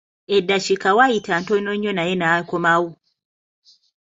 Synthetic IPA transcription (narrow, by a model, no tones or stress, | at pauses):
edːaʃikawajitantonoɲːonajenakomawu